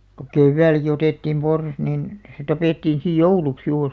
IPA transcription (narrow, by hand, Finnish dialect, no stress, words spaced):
ko keʋːæilæ̆ki oteˑtːiːm porsɑs nin se tɑpeˑtːiːn sij jouluks juːr